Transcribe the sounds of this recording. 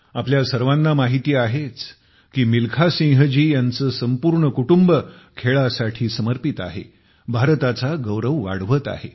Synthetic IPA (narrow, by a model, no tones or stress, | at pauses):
apljasəɾʋanːamaɦit̪iːaɦet͡s | kiːmilkʰasĩŋɦd͡ʑiːjant͡səːsəmpuɾɳəkuʈumbə | kʰeɭasaʈʰiːsəməɾpit̪a̰ɦḛ | bʱaɾt̪at͡saɡəwɾəʋːa̰ɽʋət̪a̰ɦḛ